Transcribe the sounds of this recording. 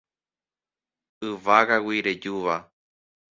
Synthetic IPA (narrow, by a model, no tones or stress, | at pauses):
ɨʋaɣawiɾed͡ʒuʋa